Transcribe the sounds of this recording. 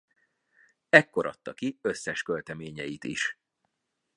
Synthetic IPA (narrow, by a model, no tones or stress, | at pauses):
ɛkːo̞ɾʔɒ̰t̪ːɒkiø̞sːɛʃkølt̪ɛmeːɲɛjit̪ḭʃ